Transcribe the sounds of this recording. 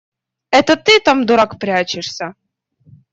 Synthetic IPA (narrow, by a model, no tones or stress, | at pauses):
ɛt̪ət̪ɨt̪amd̪ʊɾakpɾʲat͡ɕɪʂsʲə